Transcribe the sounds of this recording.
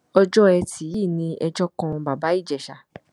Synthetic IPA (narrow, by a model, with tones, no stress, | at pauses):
ɔ˧d͡ʒɔ˦ɛ˧tʰi˨˦ji˦˨nĩ˧ʔɛ˧d͡ʒɔ˦kɔ̃˧ba˨ba˨˦i˦˨d͡ʒɛ˨ʃa˨